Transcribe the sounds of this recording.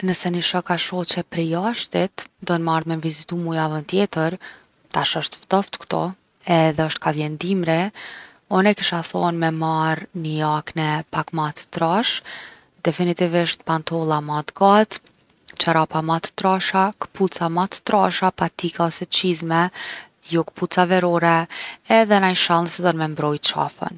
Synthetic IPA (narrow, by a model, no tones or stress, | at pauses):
nəsɛnəʃɔkaʃɔt͡ɕɛpɾɛjaʃt̪it̪d̪ɔnmaɾmɛnvizit̪umujavənt̪jɛt̪əɾ | t̪aʃɔʃt̪vd̪ɔft̪kt̪ɔ̰ | ɛðɛəʃt̪̚kavjɛnd̪imɾi | ɔnɛkiʃaθɔnmɛmaɾnəjaknɛpakmat̪ːɾaʃ | d̪ɛfinit̪iviʃt̪pant̪ɔlˠamat̪ɡat̪ | t͡ʃaɾapamat̪ːɾaʃakə̥put͡samat̪ːɾaʃapat̪ikaɔsɛt͡ʃizmɛ | jɔkə̥put͡savɛɾɔɾɛɛðɛnajʃalˠnsɛd̪ɔnmɛmbɾɔjt͡ʃa̰fə̰n